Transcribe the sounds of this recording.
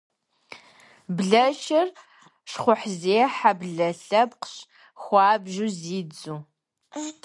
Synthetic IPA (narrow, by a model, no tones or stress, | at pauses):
bɮɐʃɐr | ʂχʷʊħzeːħabɮɐɬɐpqɕ | xʷɑːbʒuziːd͡zuː